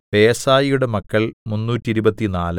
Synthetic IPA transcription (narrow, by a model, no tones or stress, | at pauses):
peːsaːjijuɽe̞mɐkːɐɭmunːuːtːiiɾubɐt̪ːinaːlɨ